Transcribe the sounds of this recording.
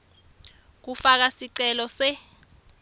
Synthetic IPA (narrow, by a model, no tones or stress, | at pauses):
k̬ufak̬asiǀɛlɔsɛ